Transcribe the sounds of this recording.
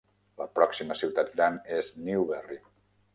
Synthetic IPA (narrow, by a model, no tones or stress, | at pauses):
ləpɾɔksiməsiwt̪at̪̚ɡɾanezniuβɛri